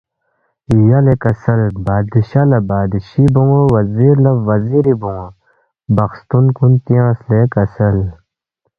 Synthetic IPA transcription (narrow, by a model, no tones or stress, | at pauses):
jɐlekɐsɐlbaːd̪iɕɐlɐbaːd̪iɕiboŋowɐziːɾlɐʋɐziɾibuŋo | bɐxst̪unkunt̪ijãːslekɐsɐl